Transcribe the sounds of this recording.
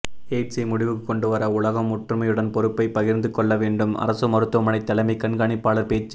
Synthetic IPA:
eːʈsɐmʊɽɪʋɯkkːɔɳɖɯʋɐɾɐʊɭɐɣɐmːʊʈrɯmɐjɯɽɐnpɔɾɯpːɐɪpːɐɣɪɾnd̪ɯkːɔɭːɐʋeːɳɖɯmɐ̰ɾɐsɯmɐɾɯt̪ːɯʋɐmɐnɐɪt̪ːɐlɐmiɪkːɐɳɡɐɳɪpːaːɭɐɾpeːt͡ʃː

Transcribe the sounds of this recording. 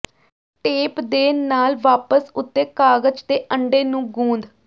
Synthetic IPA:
ʈeːpd̪eːnaːlʋaːpəsʊt̪ːeːkaːɡəd͡ʒd̪eːʔəɳɖeːnũːɡũːnd̪

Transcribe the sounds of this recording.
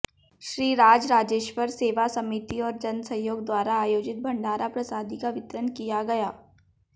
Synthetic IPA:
ʃɾiːɾaːd͡ʒɾaːd͡ʒeːʃʋəɾseːʋasɐmɪt̪iɔːɾd͡ʒɐnsɐ̃joːɡ̚d̪waːɾaːjoːd͡ʒɪt̪̚bʱɐ̃ɳɖaːɾʔapɾɐsaːd̪ikaʋɪt̪ɾənkijaɡɐjaː

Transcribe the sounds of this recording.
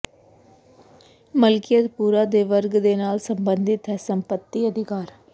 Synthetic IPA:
mɐlkɪjɐd̪puːɾaːd̪eːʋɐɾɡɨd̪enaːlsɐmbɐnd̪ʱɪt̪ɐsɐmpɐt̪ːiɐd̪ʱɪkaːɾ

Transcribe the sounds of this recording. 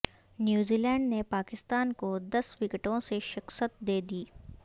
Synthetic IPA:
njuːziːlɛ̃ːɳɖnepaːkɪst̪aːnkod̪ɐsʋɪkəʈõseʃɪqsət̪̚d̪eːd̪iː

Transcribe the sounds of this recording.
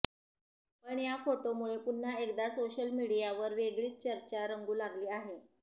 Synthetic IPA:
pəɳjafoʈomuɭepun̤ːaekd̪asoɕəlmiɽijaʋəɾʋeɡɭiːt̪̚t͡ɕəɾt͡ɕaɾəŋɡuːlaɡliːaɦe

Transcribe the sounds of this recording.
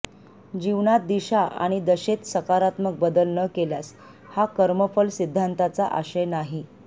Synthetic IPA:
d͡ʑiʋɳat̪̚d̪iɕaʔa̰ɽ̃id̪əɕet̪səkaɾat̪mək̚bəd̪əlnəkeljas | hakəɾməfəlsid̪ʱːant̪at͡saʔa̰ɕenaɦi

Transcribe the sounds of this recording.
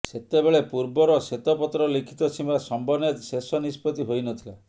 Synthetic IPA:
set̪ebeɭepuɾbɔɾɔset̪ɔpɔt̪ɾɔlikʰi̥t̪ɔt͡ʃʰimasɔmbɔnet̪sesɔnispɔt̪iɦojnɔt̪ʰila

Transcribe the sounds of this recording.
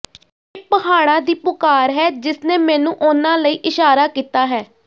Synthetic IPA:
eːpəɦaːɽ̃ãːd̪iːpʊkaːɾɦɛːd͡ʒɪsneːmɛːnũːʔʊnãːləiːʔɪʃaːɾaːkiːt̪aːɦɛː

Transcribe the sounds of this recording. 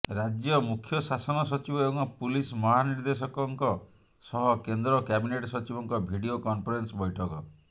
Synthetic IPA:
ɾad͡ʒjɔmukʰjɔsasɔnɔsɔt͡ʃibɔebɔ̃ŋpulismɔɦaniɾd̪esɔkɔŋkɔ | sɔɦɔkend̪ɾɔkabineʈsɔt͡ʃibɔŋkɔbʱiɖiokɔnpʰɔɾensɔbɔjʈʰɔkɔ

